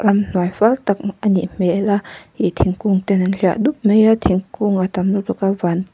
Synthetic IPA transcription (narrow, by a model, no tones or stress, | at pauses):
rɐmn̥uajfalt̪ak̚aniʔm̥ɛʔlahiʔt̪ʰiŋkuŋt̪ɛnanɬia̰ʔd̪up̚mejat̪ʰiŋkuŋat̪amlut̪ukavan